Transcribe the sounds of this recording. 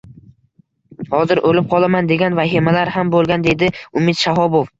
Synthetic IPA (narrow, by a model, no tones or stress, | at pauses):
hɒzɪɾʔolɪp̚qʰɒlˠamand̪e̞ɡʲanvaɦimalaɾhambolˠɡʲand̪e̞d̪ɪʊmɪd̪ʃaɦɒbof